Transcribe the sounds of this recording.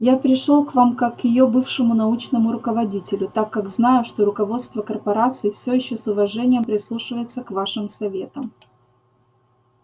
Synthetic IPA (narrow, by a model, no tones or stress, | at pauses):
japɾʲɪʂlolˠkvamkakːjɪjobɨfʂɨmʊnɐut͡ɕnəmʊɾʊkəvɐdʲitʲɪlʲʊt̪akːaɡznajʊʂt̪oɾʊkɐvo̞t̪st̪vəkərpɐɾat̪sɨɪfsʲɵjɪɕːosʊvɐʐɛnʲɪjəmpɾʲɪslˠuʂɨvəjɪt̪səkvaʂɨmsɐvʲe̞t̪əm